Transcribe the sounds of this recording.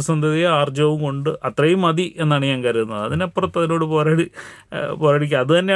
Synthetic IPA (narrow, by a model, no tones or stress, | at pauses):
sɐnd̪ʱɐðijɐaːrd͡ʑɐʋumko̞ɳɖɨʔɐt̪rɐjumɐðie̞nːaːɳɨɲaːŋkɐɾiɾunːɐðɨɐ̰ðinɐpːrɐt̪ːɐðino̞ːɽɨpo̞ːɾaːɽi | poːɾaːɽikʲːɐɐðɨt̪ɐnːe